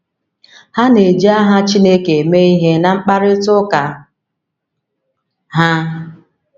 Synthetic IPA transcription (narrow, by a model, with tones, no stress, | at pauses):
ha˦ne˨d͡ʒi˦a˦ɦa˦t͡ʃi˦ne˦ke˨me˦i˦ɦe˦na˨ŋ͡m̩˦k͡pa˦ɾɪ˦tʊ˦ka˨ | ɦa˦